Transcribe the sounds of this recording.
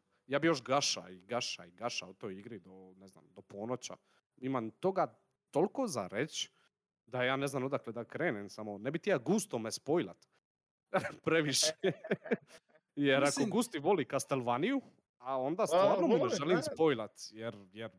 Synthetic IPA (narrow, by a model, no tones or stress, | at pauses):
jaːbijoʃɡaʃa̰iɡaʃa̰iɡaʃa̰ut̪ojiɡɾid̪onezna̰md̪opʰoːnot͡ɕa̰ | imamt̪o̞ɡa | t̪olˠkoza̰ɾet͡ɕ | d̪ajaːneznamod̪akled̪akɾeːnemsamonebit̪ijaɡuːst̪omespojla̰t̪ | pɾeʋiʃe | jeɾakoɡust̪iʋolikast̪elʋaniju | ao̞nd̪astt̪vːʋaːɾnomuneʒelimspojlˠat̪jeɾjɛɾ